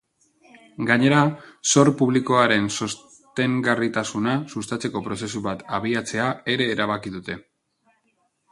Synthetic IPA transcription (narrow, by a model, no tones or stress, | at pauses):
ɡaɲe̞ɾaso̞ɾpuβliko̞aɾe̞nso̞s | t̪e̞ŋɡarit̪asunasust̪at͡se̞ko̞pɾo̞se̞suβat̪aβ̞iat͡se̞ae̞ɾe̞ːɾaβ̞akiðut̪e̞